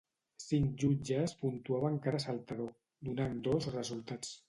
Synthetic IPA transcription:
siŋkʒud͡ʒəspunt̪uaβəŋkaɾəsalˠt̪aðo | d̪unand̪ozrəzulˠt̪at͡s

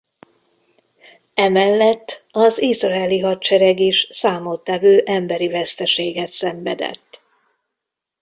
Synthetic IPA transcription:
ɛmɛlːɛt̪ːɒzizrɒɛliɦɒt̪t͡ʃɛɾɛɡiʃsaːmot̪ːɛvøːʔɛmbɛɾivɛst̪ɛʃeːɡɛt̪sɛɱvɛ̰d̪ɛ̰t̪ː

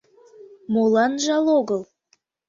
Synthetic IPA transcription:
molɑnʒɑloɣəlˠ

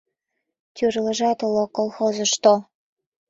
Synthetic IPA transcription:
t̪ʲyrlə̆ʒɑt̪ulokolˠxozɤ̆ʃt̪o

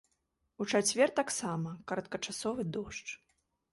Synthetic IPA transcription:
ut͡ʂat͡sʲvʲɛrt̪aksamɐkɐɾɐt̪̚kɐt͡ʂasɔvɨd̪ɔʂt͡ʂ

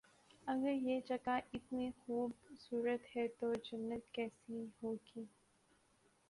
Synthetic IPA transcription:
ɐɡəɾjeːd͡ʒɐkaʔɪt̪mexuːbsuːɾət̪hɛt̪od͡ʒɐnːət̪kɛːsihoːɡiː

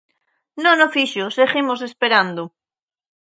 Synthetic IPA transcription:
nõnofiʃoseɣimos̬espeɾand̪o

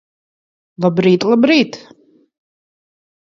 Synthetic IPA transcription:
lˠabɾiːt̪ʼlabɾiːt̪ʰ

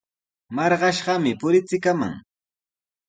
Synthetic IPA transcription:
mɑɾɢɑʃɢɑmɪpʊɾɪt͡sɪkama̰ŋ

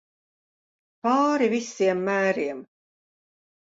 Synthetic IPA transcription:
paːɾivisːiɛmːæːɾiɛm

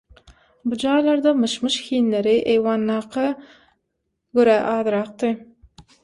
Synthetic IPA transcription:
bud͡ʒɑːjlˠɑɾd̪ɑmɯʃmɯʃxiːnleɾiʔejwɑːnːɑːqʰɑ | ɡøɾæʔɑːðɨɾɑq̚t̪ɯ

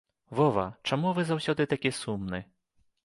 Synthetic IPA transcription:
vɔvɐt͡ʂamuvɨzawsʲɔd̪ɨt̪akʲisumnɨ

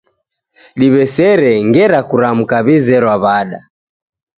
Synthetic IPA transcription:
ɗiβɛsɛɾɛŋɡɛɾakuɾam̩kaβizɛɾwaβaɗa̰

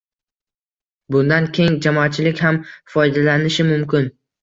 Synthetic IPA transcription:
bʊnd̪ankʲʰe̞jŋd͡ʒamɒat̪̚t͡ʃʰɪlɪkʲhamfɒjd̪alanɪʃɪmʊmkʲɪn

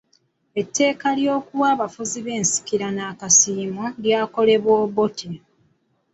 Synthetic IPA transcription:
e̞tːe̞ːkaljo̞ːkuwaːβafuziβe̞ːnsi̥kiɾanaːkasiːmoljaːko̞le̞βwoːβotʰi

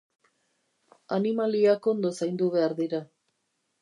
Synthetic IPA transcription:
animaliako̞nd̪o̞sajnd̪uβe̞aɾðiɾa

